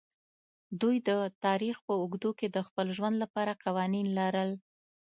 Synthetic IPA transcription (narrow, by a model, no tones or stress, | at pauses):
d̪ujd̪ət̪ɑɾixpəʊɡd̪oked̪əxpəlʒwand̪lapɑɾaqɑwɑninlaɾəl